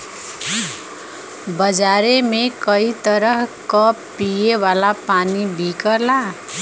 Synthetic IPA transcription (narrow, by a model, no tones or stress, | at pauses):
bʌd͡zaɾemekʌit̪ʌɾʌɦkʌ | pijewalapanibʱikʌla